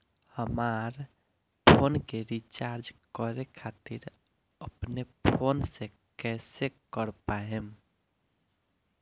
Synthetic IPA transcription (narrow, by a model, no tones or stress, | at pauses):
həmaɾ | pʰonkeɾit͡ʃaɾd͡ʒkəɾekʰat̪iɾ | əpnepʰonse | kɛsekəɾpaɦem